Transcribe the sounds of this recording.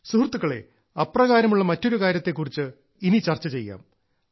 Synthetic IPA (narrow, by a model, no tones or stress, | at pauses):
suhrt̪ːukːɐɭḛ | ɐprɐɣaːɾɐmuɭːɐmɐtːo̞ɾukaːɾjɐt̪ːe̞kːurit͡ɕːɨ | init͡ɕɐrt͡ɕːɐt͡ɕe̞jːa̰ːm